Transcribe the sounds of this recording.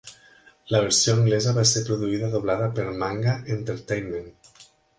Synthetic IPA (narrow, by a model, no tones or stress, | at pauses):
ləβ̞eɾsioəŋɡlezəβasepɾoðuiðaðoβlaðəpeɾmaŋɡaʔent̪eɾt̪ejnmẽn